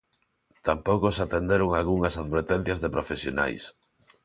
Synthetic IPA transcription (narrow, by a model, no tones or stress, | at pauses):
t̪ampowkosat̪end̪eɾoŋalɣuŋɐsaðβeɾt̪ɛn̟θjɐzðepɾofesjona̰js